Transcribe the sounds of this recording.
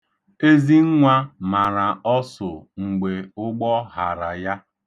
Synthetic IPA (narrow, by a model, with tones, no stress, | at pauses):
e˦zi˦ŋ̩˦ŋʷa˦ma˨ɾa˨ɔ˦sʊ˨ŋ̩˨ɡ͡be˨ʊ˦ɡ͡bɔ˦ɦa˨ɾa˨ja˦